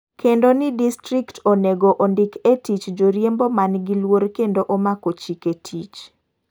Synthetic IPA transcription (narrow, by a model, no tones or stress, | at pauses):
kʰendonɪdistɾiktoneɡoʔondɪketit͡ʃd͡ʒoɾjembomanɡilworkendoʔomakot͡ʃiketʰit͡ʃ